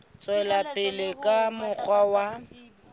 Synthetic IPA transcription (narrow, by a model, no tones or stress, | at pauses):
t͡sʼwɛlapʼɪlɪkʼamʊk͡xʰwawa